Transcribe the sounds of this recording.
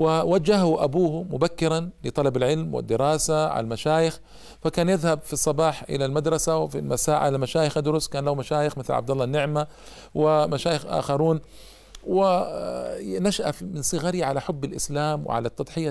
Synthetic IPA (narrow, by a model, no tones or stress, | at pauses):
wɪwad͡ʒːahhuʔabuːhmʊbakːɪɾˤɑnlɪt̪ˤɑlɑbalʕɪlmwɪ̰d̪ːɪɾˤɑːsaʕa̰lmaʃaːjɪx | fakaːnjɪðhabfisˤːɑbɑːħʔɪ̰lalmad̪ɾˤɑsawfḭlmasaːʕʔalamaʃaːjɪxʔad̪ʊɾʊskaːnlahumaʃaːjɪxmɪθlʕa̰b̚d̪alˤːɑnːɪʕma | wɪmaʃaːjɪxʔa̰ːxɑɾˤuːn | wɪ | naʃaʔafmɪnsˤɨɣaɾiʕalaħʊbːɪlʔɪ̰slaːmwɪ̰ʕa̰lat̪ːɑd̪ˤħɪja